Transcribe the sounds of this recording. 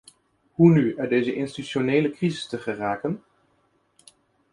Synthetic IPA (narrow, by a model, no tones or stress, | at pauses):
ɦunyœdejzəʔɪnstyʃonejləkrizɪstəχəraːkən